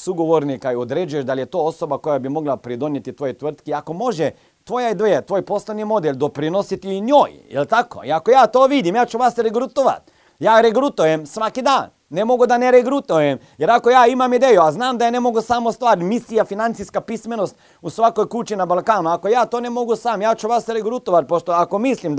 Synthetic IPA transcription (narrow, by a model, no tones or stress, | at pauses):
suɡoʋoɾnikaiod̪ɾed͡ʒujeʃd̪aljet̪oːosobako̞jabimo̞ɡlapɾid̪o̞njet̪it̪ʋojet̪ʋr̩t̪kiako̞mo̞ʒɛ | t̪ʋo̞jad̪eet̪ʋoːjpo̞sleʋnimo̞d̪elʲd̪o̞pɾinosit̪iɲoːjjḛlt̪ako̰ḭakojaːt̪oːʋid̪imjaːt͡ʃuʋaːsɾeɡɾut̪oʋa̰t̪ | jaːɾeɡɾut̪ojemsʋakid̪aːnːemo̞ɡud̪aneɾeɡɾut̪ujem | jeɾakojaːimamid̪eːjuaznaːmd̪ajene̞mo̞ɡusamost̪ʋaːɾmisijafinant̪sijskapismenost̪ | usʋakojkut͡ʃinabalˠkaːnuako̞jaːt̪oːnemo̞ɡusaːmjaːt͡ʃuʋasɾeɡɾut̪oʋat̪̚poʃt̪oakomislʲim